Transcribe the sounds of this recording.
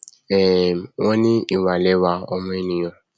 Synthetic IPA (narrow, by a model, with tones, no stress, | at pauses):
ɛ˨ŋɔ̃˦nĩ˦i˨wa˨le˦wa˦ɔ˦mɔ̃˦i˦nĩ˨jɔ̃˨